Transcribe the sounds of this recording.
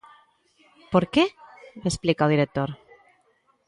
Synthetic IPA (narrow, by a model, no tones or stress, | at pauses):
poɾkeesplikaðiɾek̚t̪oɾ